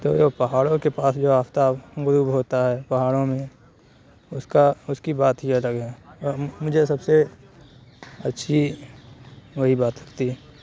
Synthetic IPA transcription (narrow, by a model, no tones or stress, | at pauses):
t̪o̰ːjopɐɦaːɽõkepaːsd͡ʒoːaːft̪aːɡʊɾuːbɦoːt̪aɦɛpɐɦaːɽõmẽ | ʊskaʊskibaːt̪ɦiələɡɛ̃ɔːɾmʊd͡ʒʱesɐbse | ɐtːʃʰi | ʋɐɦibaːt̪lɐkt̪iɦɛ